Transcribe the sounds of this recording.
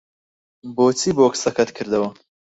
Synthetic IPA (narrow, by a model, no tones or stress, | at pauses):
boːt͡sʰiːboːksɐkʰɐt̪kʰɨɾd̪ɐwɐ